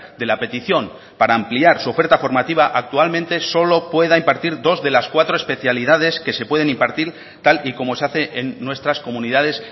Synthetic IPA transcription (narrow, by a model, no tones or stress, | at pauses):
d̪e̞lape̞t̪iθjo̞n | paɾaːmpliaɾsuo̞fe̞ɾt̪afo̞ɾmat̪iβaʔak̚t̪ualmẽnt̪e̞so̞lo̞pwe̞ð̞aimpaɾt̪iɾd̪o̞zðe̞laskwat̪ɾo̞espeθjaliðað̞e̞ske̞se̞pwe̞ð̞e̞nimpaɾt̪iɾ | t̪aliko̞mo̞seaθe̞ʔenːwe̞st̪ɾasko̞mũniðað̞e̞s